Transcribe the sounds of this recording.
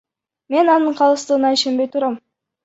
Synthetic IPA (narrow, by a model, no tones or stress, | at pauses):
me̞nɑnɯɴqʰɑlˠəst̪əʁənɑiʃe̞mbe̞jt̪ʰuɾɑm